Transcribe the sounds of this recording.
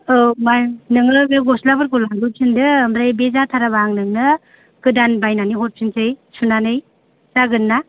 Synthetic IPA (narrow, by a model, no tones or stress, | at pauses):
ɯmajnɯŋɯbeɡɔslabɯɾkɔlaɡɯsʰindɯmɾajbezatʰaɾabaŋnɯŋnɯ | kɯdanbajnaniɦɔɾ̚sʰinsɯjsunanɯj | zaɡɯnːa